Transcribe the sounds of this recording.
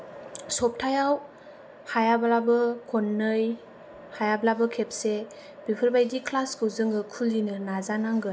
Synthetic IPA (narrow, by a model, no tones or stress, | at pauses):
sɔp̚tʰajaw | hajabalabɯkʰɔnːɯj | hajablabɯkʰep̚se | bipʰɯɾbajdikʰlaskɯuzɯŋɯkʰulinɯnazanaŋɡɯ